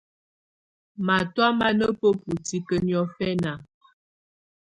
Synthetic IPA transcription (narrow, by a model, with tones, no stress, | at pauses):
ma˨twa˦ma˦nə˦pə˦pu˨ti˦kə˦njɔ˦fɛ˦na˨